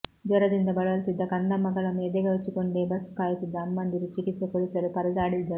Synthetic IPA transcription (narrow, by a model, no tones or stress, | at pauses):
d͡ʒ̪ɐɾɐd̪ind̪ɐbɐɭɐlt̪id̪ːɐkɐnd̪ɐmɐɡɐɭɐmeːd̪eɡɐʋet͡ʃːikoɳɖeːbɐskaːjut̪id̪ːɐːmːɐnd̪iɾut͡ʃːikisekoɽit͡ʃɐɾupɐɾɐd̪aːɽid̪ːɐ